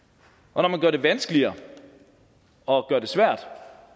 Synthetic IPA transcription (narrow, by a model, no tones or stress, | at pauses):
ʔɒ̽nɒmænɡ̥ɶɐd̥e̝ʋænsɡ̥əliɐ | ɒ̽ɡ̥ɶɐd̥e̝sʋæɐ̰d̥